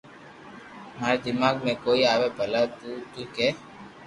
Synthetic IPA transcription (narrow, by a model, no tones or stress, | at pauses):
maːɾed̪ɪmaːɡmẽkoːiaːʋepəlat̪ut̪ũke